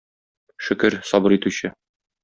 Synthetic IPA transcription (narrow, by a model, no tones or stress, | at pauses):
ʃɵ̆kɘɾsɒbɤɾit̪ʉɕɘ